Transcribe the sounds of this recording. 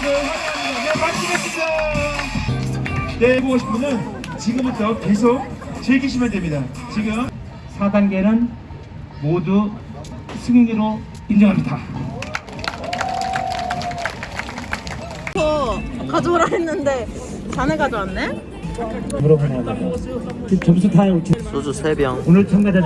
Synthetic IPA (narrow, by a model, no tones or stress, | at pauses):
nesʰad͡ʑɦaidanemaɭsʰɯmɦes͈ʰɯmʌ | neboɡoɕʰi̥pʰɯmʌnt͡ɕiɡɯmbutʰʌke̞s̬ʰok̚t͡ɕeɡiɕ̬ʰimandwe̞mɲida | t͡ɕiɡɯm | sʰadanɡe̞nɯn | modu | sʰɯŋɲiɾo | ind͡ʑʌŋɦamɲida | ʌkad͡ʑoɡɾaɦenːɯnde̞ | t͡ɕaneɡad͡ʑoanːe | ɯmuɾʌbona | t͡ɕit͡ɕʌmbus̬ʰotʰaeot͡ɕʰesod͡ʑusʰebjʌŋonɯɭt͡ɕʰʌŋnade